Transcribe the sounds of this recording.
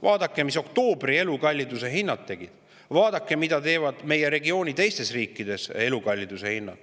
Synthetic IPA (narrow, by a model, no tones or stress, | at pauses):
vɑːd̪̥ɑkːe̞miso̞k̚t̪o̞ːb̥rie̞lukɑlʲːid̪̥use̞ɦinːɑt̪tːe̞ɡ̥id̪̥ | vɑːd̪̥ɑkːˑe̞mid̪̥ɑt̪e̞ːvɑd̪̥me̞je̞ɾe̞ɡio̞ːnʲit̪e̞jst̪e̞sriːkːˑid̪̥e̞se̞lukɑlʲːid̪̥use̞hinːɑ̰d̪